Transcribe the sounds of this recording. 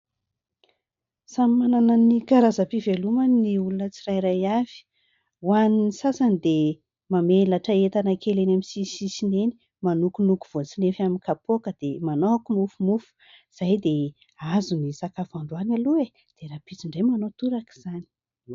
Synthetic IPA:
samimanananikaɾazapiveluməniulunət͡sirajɾajav̥i̥ | waninisasand̪e | mamelaʈ͡ʂəet̪anəkʰelenamisisisineni̥ | manukunuku̥v̥ot͡sinefaminkapokəd̪̥emanoakumufumufu̥ | z̥ajd̪e | azunisakafaɳɖ͡ʐuanalue | d̪̥eɾapit͡siɳɖ͡ʐemanot̪uɾaki̥z̥ani̥

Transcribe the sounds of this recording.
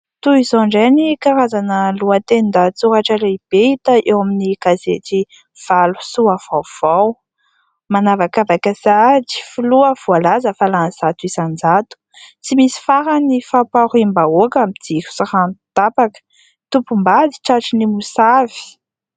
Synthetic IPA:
t̪uizoɳɖ͡ʐenikaɾazanəluat̪enind̪at͡suɾaʈ͡ʂəleib̥eit̪əʔewaminiɡ̥azet̪i | v̥alu̥suav̥awv̥aw | manavakavakəsad͡zi̥fuluəv̥ualazəfalanz̥at̪uizand͡zat̪u̥ | t͡simisi̥faɾanifapaɾimbaokamid͡z̪iku̥saɾant̪apakə̥ | t̪upumbad̪i̥ʈ͡ʂaʈ͡ʂinimusavi̥

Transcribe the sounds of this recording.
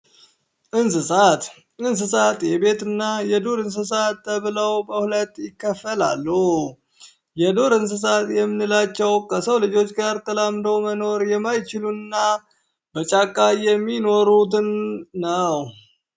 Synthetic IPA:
ʔɨns̬ɨsat̪ | ʔɨns̬ɨsat̪jɛbe̞t̪ɨnːajɛd̪o̞ɾɨns̬ɨs̬at̪ːəβɨləwbəhulət̪ʼːjɪkːəfːəla̰lːu | jɛd̪o̞ɾɨns̬ɨs̬at̪jɛmːɨnːɨlat͡ʃːɛwkʰəsəwlɨd͡ʒo̞t͡ʃːɡaɾt̪ʰəlamd̪əwməno̞ɾjɛmːajt͡ʃɪluɨnːa | b̥ət͡ʃʼakʼːajɛmːino̞ɾut̪ɨnːəw

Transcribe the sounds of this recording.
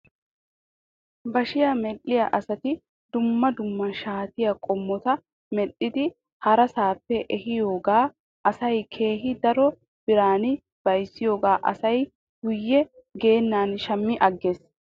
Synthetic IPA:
bɐʃɪjamɛlːɪjɐʔɐsɐt̪ɪ | d̪ʊmːɐd̪ʊmːɐʃaːt̪ɪjɐkʼɔmːɔt̪ɐ | mɛɗɪd̪ɪ | hɐɾɐsaːpːɛʔɛhɪjo̞ːɡaː | ʔɐsɐjkʰe̞ːɦɪd̪ɐɾɔ | b̥ɪɾaːnɪ | b̥ɐjsːɪjo̞ːɡaːʔɐ̰sɐj | ɡʊjːɛ | ɡe̞ːnːaːnʃɐmːɪʔɐɡːe̞ːs

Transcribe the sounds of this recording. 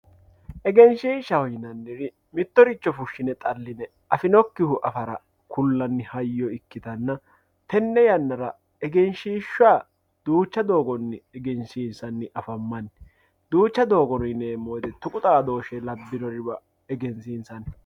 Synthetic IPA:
ʔɛɡɛnʃiːʃɐhɔjɪnɐnːɪɾɪ | mɪt̪ːɔɾɪt͡ʃːɔfʊʃːɪnɛt̪ʼɐlːɪnɛ | ʔɐfɪnɔkːɪhʊʔɐfɐɾɐ̰ | kʰʊlːɐnːɪhɐjːɔɪkːɪt̪ɐnːɐ | t̪ɛnːɛjɐnːɐɾɐ | ɛɡɛnʃiːʃːʊaː | d̪̥uːt͡ʃːɐd̪o̞ːɡɔnːɪɛɡɛnʃiːnsɐnːɪʔɐfɐmːɐn | d̪uːt͡ʃːɐd̪o̞ːɡɔnɔjɪnemoːjd̪ɛt̪ʊkʼʊt̪ʼaːd̪o̞ːʃɛlɐbːɪnɔɾɪbɐ | ɛɡɛnsiːnsɐn

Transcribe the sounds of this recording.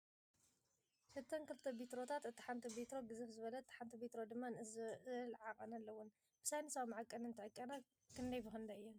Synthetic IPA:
ʃɨt̪ʰːɐnkɨlɨt̪ʰːɐbit̪ɾo̞t̪ʰat̪ɨt̪ːi̥ħant̪ʰɐbit̪ɾo̞ɡɨzɨfzɨβɐlɐt̪ʰːħant̪ʰɐbit̪ɾo̞d̪ɨmːanɨzlʕaχʼɐnɐlːɐwʊn | b̥ɨ̥sajnɐsɐβmʕakʼɐnɨnt̪ʰɨʕɨkʼːɐna | kʰɨnd̪ɐjfɨxɨnd̪ɐɨjːɛn

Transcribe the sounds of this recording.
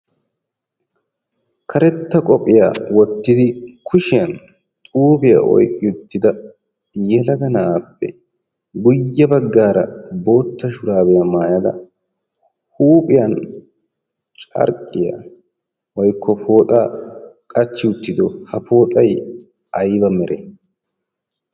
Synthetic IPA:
kʰɐɾɛt̪ːɐkʼɔpʼɪja̰wɔt̪ːɪd̪ɪkʰʊʃɪjɐn | t̪ʼuːbɪja̰ʔɔ̰jkʼːɪʊt̪ːɪd̪ɐ | jɛlɐɡɐnɐaːpːɛ̰ | ɡʊjːɐbɐɡːaːɾɐ̰bo̞ːt̪ːɐʃʊɾaːbɛjɐmaːjɐd̪ɐ̰ | huːpʼɪjɐn | t͡ʃʼɐ̰ɾkʼːɪja̰ | wɔjkʰːɔpʰo̞ːt̪ʼaːkʼɐt͡ʃːɪʊt̪ːɪd̪ɔhɐpo̞ːt̪ʼɐj | ɐjbɐmɛɾɛ

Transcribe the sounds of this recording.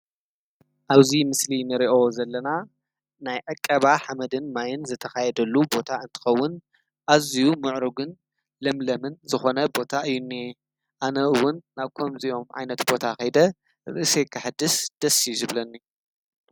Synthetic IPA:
ʔaβzimɨslinɨɾiʔo̞zɐlːɐna | najʕakʼːɐβaħamɐd̪ɨnmajɪnzɨt̪ʰɐxajɛd̪ɐlːubo̞t̪ʰaɨnt̪ʰɨ̥xɐwːʊn | ʔazijumɨʕɾuɡɨn | lɐmlɐmɨnzɨxo̞nɐbo̞t̪ʰaʔɨjːunːi | ʔanɐʔɨwʊnːaβkʰomziʔo̞mʕa̰jnɐt̪bo̞t̪ʰaxɐjd̪ɐ | ɾɨʔse̞kʰɨħɨd̪ɨsd̪̥ɐsizɨβlɐnːi

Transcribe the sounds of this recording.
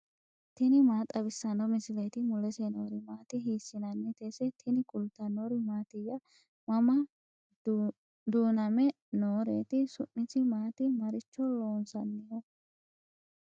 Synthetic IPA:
t̪ɪnɪmaːt̪ʼːɐbɪsːɐnɔmɪsɪlet̪ɪmʊlɛsenoːɾɪmaːt̪ɪɦiːsːɪnɐnːɛt̪ɛsɛt̪ʰɪnɪkʼʊlt̪ːɐnoːɾɪmaːt̪ɪjɐ | mɐmɐ | d̪uːnɐmɛ | noːɾḛːt̪ɪsʊʔɪsɪmaːt̪ɪmɐɾɪt͡ʃːɔloːnsɐnːɪjɔ

